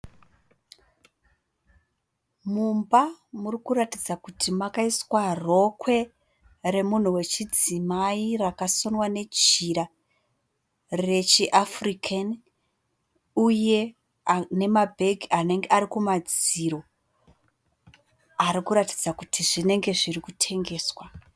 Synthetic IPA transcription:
mumbamurikuɾatid͡zakutʰimakaiswaro̞kwe̞ | re̞mun̤uwe̞t͡ʃid͡zimairakasonwane̞d͡ʒiɾa | re̞t͡ʃiʔafrikʰan | uje̞ | ne̞mabʱeɡʱiane̞ŋɡeaɾikumad͡ziɾo̞ | aɾikuɾati̥d͡zakutʰiʐine̞ŋɡe̞ʐirikutʰe̞ŋɡe̞ːswa

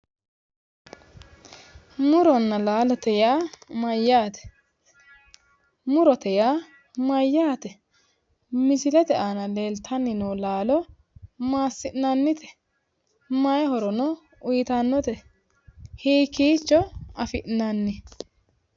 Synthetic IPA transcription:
mʊɾɔnːɐlaːlɔt̪ɛjaːmɐjːaːt̪ɛ̥ | mʊɾɔt̪ɛjaː | mɐjːaːt̪ɛ | mɪsɪlɛt̪ɛʔaːnɐleːlt̪ʰɐnːɪnɔːlaːlɔ | maːsːɪʔnɐnːɪt̪ɛ̥ | mɐjɛhɔɾɔnɔ | ʊjɪt̪ɐnːɔt̪ɛ | hiːkiːt͡ʃːɔɐfɪʔnɐnːɪ

